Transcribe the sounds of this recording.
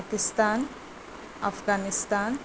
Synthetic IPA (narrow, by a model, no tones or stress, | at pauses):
kɪst̪aːn | ɐ̰fɡaːnɪst̪aːn